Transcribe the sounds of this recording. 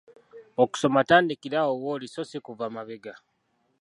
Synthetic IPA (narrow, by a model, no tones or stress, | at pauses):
oku̥so̞mataːndikiɾaowoːliso̞sikuvamaβeɡa